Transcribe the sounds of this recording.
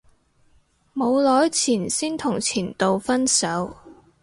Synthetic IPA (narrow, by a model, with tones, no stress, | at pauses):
mo˨˧wlɔː˨˥jt͡sʰiː˨˩nsiː˥nt̪ʰʊ˨˩ŋt͡sʰiː˨˩nt̪o˨wfɐ˥nsɐ˨˥w